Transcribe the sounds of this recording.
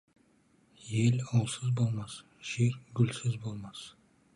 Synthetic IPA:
jelʲɑw̪ˠsɪzbolˠmɑs | ʃekɡʊlsɪzbolˠmɑs

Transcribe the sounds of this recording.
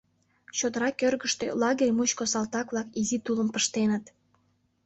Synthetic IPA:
ɕod̪əɾɑkørɣəʃt̪ø̰lɑɣerʲmut͡ɕkosɑlt̪ɑkβlɑkizit̪uləmpəʃt̪enət̪

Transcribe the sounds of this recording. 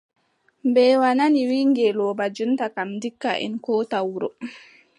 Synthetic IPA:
mbɛːwananiwiːŋɡɛlɔːbad͡ʒuntakamdikːa̰ʔɛ̰nkɔːtawuɾɔ

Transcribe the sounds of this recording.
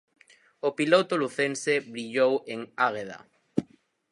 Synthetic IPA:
opilot̪oluθẽnseβɾiʎoweŋaɣeða̰

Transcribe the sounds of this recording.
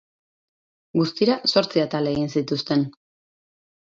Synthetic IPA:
ɡust̪iɾaso̞ɾt͡siat̪aleɣinsit̪ust̪e̞n

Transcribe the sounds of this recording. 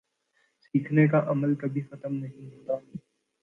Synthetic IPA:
siːkʰnekaʔɐməlkɐbʱixɐt̪əmnɐɦĩɦoːt̪aɛ

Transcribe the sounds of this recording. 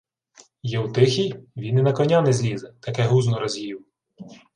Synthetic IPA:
jɛwt̪ɪxʲijʋʲinɪnɐkɔnʲanɛzʲlʲizɛt̪ɐkɛɦuznɔɾɐzʲiw

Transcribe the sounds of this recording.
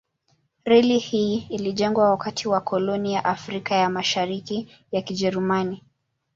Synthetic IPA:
ɾɛlihiːliʄɛŋɡwawakatʰiwakʰɔlɔnijaʔafɾikajamaʃaɾiki | jakiʄɛɾumani

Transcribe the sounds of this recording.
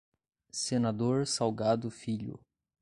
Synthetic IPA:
senad̪oɾsawɡad̪ʊfiʎʊ̰

